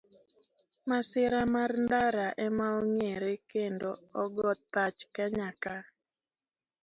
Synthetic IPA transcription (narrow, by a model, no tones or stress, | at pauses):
masɪɾamarnd̪aɾaʔɛmawɔŋeɾekendoɔɡɔt̪ːat͡ʃkaɲaka